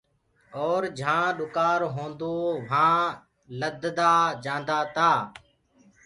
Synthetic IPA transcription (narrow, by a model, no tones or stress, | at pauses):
oːɾd͡ʒʱãːɗʊkaːɾɦõːnd̪oːʋ̤ãː | ləd̪d̪aːd͡ʒãːnd̪aːt̪aː